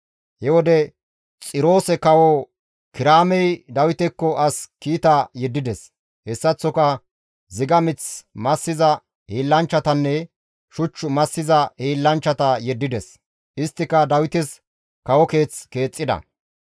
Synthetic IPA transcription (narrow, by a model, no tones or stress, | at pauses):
hɛwɔd̪ɛ | t͡sʼɪɾo̞ːsɛkɐwɔ | kɪɾaːmɛjd̪ɐwɪt̪ɛkːɔʔɐskiːt̪ɐjɛd̪ːɪd̪ɛs | hɛsːɐt͡sːɔkɐ | zɪɡɐmɪt͡smɐsːɪzɐ | hiːlːɐnt͡ʃːɐt̪ɐnːɛ | ʃʊt͡ʃːʊmɐsːɪzɐhiːlːɐnt͡ʃːɐt̪ɐjɛd̪ːɪd̪ɛs | ʔɪst̪ːɪkːɐd̪ɐwɪt̪ɛs | kɐwɔke̞ːt͡ske̞ːt͡sʼːɪd̪ɐ̰